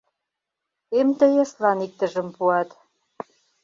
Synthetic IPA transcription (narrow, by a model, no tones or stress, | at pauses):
emt̪ə̆jeslɑnik̚t̪ə̆ʒə̆mpuɑt̪